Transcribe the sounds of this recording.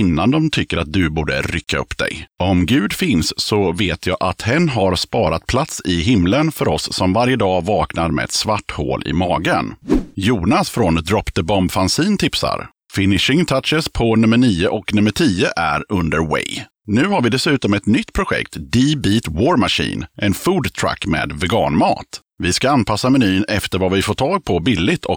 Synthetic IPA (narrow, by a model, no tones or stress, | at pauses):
ɪnːand̪ɔmt̪ʰʏkːəɾat̪̚d̪ɵbuːɖə̰ɾʏkʰːaɵ̰pːd̪ɛ̰jɔmɡʉ̟ːd̪fɪnsːɔveːt̪ʰjɑːʔat̪hɛnːɦaɾspɑːɾat̪̚pʰlat̪sɪɦɪmlənfœɾɔsːɔmvaɾjəd̪ɑːvɑːknaɾmɛ̰ɛ̰t̪svaʈːho̰ːlʔɪ̰mɑːɡənjuːnasfɾɔnd̪ɾɔpt̪əbɔmbfansiːnt̪ʰɪpsa̰ɾ | fɪnɪʂɪŋt̪ʰat̪ʂəspʰɔnɵmːəɳiːəʔɔknɵmːəʈʰiːəʔæɾɵnd̪əɾwɛ̰j | nʉ̟ːhaɾvɪd̪ɛsʉ̟ːt̪ɔmɛt̪nʏt̪ːpʰɾʊɧɛ̰kt̪d̪ibiːt̪woːɾmaʂḭːnʔɛnfuːd̪t̪ʰɾa̰kːmḛːd̪vɛɡɑ̰ːnmɑ̰ːt̪ | vɪskaanpʰasːamɛnyːnɛft̪əɾvavɪfoːʈʰɑːɡ̚pʰɔbɪlːɪt̪ʰɔ